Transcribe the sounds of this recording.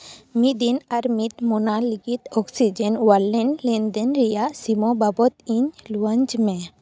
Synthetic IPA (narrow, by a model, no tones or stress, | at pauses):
mid̪inaɾmit̪mɔnaliɡit̪ɔksid͡ʒɛnwalːɛnlɛnd̪ɛnɾijasimɔbabɔt̪iɲluãɲd͡ʒmɛ̃